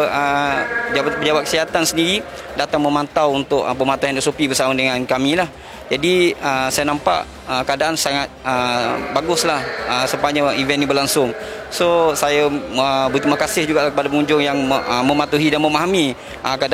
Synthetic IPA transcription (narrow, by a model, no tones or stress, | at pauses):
ə | apəd͡ʒabap̚kə̥siɦat̪ansəndiɾi | dat̪aŋməmant̪awunt̪ʊʔpəmat̪uɦanɛsopibəsamadəŋãnkamĩlah | d͡ʒadiəsajanampa̰ʔ | əkadaʔansaŋat̪̚əbaɡʊslahəsəmpaɲaivɛnjãbərlaŋsʊŋsosajaəbət̪imakasɪhd͡ʒuɡaʔlahkəpadap̬əŋuɲd͡ʒʊŋjaŋəməmat̪uɦidanməmaɦami | ʔəkada